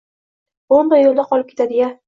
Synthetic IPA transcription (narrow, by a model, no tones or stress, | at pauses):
ombaɾjolˠd̪aqʰɒlˠɪp̚kʰʲe̞t̪ʰad̪ɪɡʲa